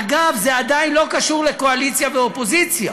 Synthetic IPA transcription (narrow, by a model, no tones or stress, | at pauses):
aɡavzead̪ainlo̞kaʃuʁle̞ko̞alitt͡sjaveopo̞zit͡sja